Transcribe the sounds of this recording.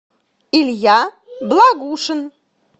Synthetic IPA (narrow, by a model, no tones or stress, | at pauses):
iljɑ | blˠɑɣuʃə̆n